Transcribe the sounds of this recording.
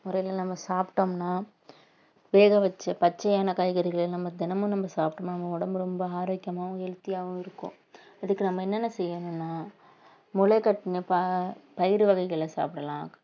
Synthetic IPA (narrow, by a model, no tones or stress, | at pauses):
mʊɾɐjɪlɐnɐmːɐsaːpʈomnaː | ʋeːɣɐʋɐt͡ʃːɐpɐt͡ʃːɐjaːnɐkaːjɣɐɾɪɣɐɭɪnɐmːɐd̪ɪnɐmɯ̃nɐmbɐsaːpʈɐmnɐmːɐʊɽɐmbɯɾɔmbɐaːɾoːkjɐmaːʋ̃ɛɻt̪ːɪjaːʋʊ̃ɪɾɯkːõ̰ː | ɪðɯkːɯnɐmːɐɛnːɛnːɐsɛjːɐnʊ̃nːaː | mʊɭɐɪkːɐʈːɪnɐpɐpɐjɪɾɯʋɐɣɐɪɣɐɭlɐsa̰ːpɽɐlãː